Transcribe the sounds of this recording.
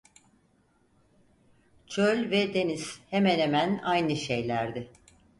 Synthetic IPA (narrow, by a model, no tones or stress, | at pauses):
t͡ʃʰølʲvɛd̪e̞nizhemɛnhemænajnɯʃejlʲæɾd̪ɪ